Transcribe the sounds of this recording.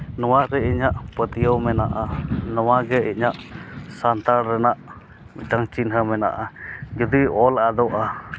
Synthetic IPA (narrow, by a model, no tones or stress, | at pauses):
nɔwaʔɾɛiɲaʔpət̪ijəwmɛnaʔanɔwaɡɛḭʔɲaʔsant̪aɽɾɛnaʔ | mḭtaŋt͡ʃinɦəmɛna̰ʔad͡ʒɔd̪iɔlad̪ɔʔa